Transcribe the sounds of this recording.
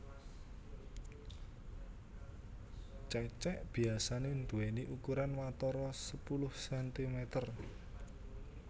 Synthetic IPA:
t͡ʃɛt͡ʃɛʔb̥i̤asanend̪uweniʔukuɾanwat̪ɔɾɔsəpulʊhsɛnt̪imɛt̪ər

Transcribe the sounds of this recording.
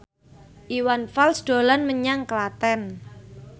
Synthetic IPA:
ʔiwanfalsd̪̥o̤lanməɲaŋkəlat̪ɛn

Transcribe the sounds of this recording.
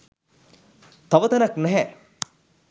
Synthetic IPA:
t̪aʋət̪ɐnaknɛɦɛ

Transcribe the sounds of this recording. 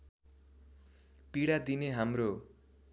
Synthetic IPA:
piɽad̪ineɦamro

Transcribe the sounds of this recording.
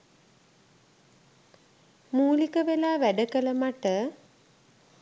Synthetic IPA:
muːlikəʋelaːʋæɖəkələmaʈə

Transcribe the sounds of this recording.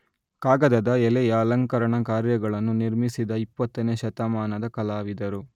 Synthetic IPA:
kaːɡɐd̪ɐd̪ɐɛlejaːlɐŋkɐɾɐɳɐkaːɾjɐɡɐɭɐnːuniɾmisid̪ɐipːɐt̪ːɐneːʃɐt̪ɐmaːnɐd̪ɐkɐlaːʋid̪ɐɾu

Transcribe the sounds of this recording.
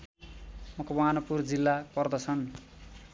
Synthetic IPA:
mʌkʰomanʌpurd͡zilːapʌrd̪ʌt͡sʰʌn

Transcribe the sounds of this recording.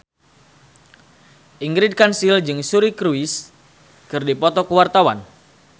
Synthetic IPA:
ʔiŋɡɾid̚kansild͡ʒɨŋsuɾikɾuis | kɨrdipɔt̪ɔkəwart̪awan

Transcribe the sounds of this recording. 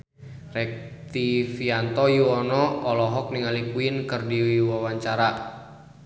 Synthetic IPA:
rɛk̚t̪ifiant̪ɔjuɔnɔːlɔɦɔk̚niŋalikuinkɨrdiwiwawaɲt͡ʃaɾa

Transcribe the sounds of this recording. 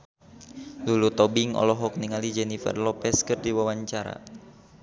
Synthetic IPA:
lulut̪ɔbiŋɔ̰lɔɦɔk̚niŋalid͡ʒɛnifɛ̰rlɔpɛskɨrdiwawaɲt͡ʃaɾa̰

